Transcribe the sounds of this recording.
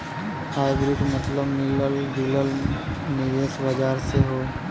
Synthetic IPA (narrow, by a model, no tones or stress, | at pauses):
aːɪɡɾiʈmət̪ləbmɪləlɖiləlnɪʋeːsbɐd͡ʒaːɾseɦoː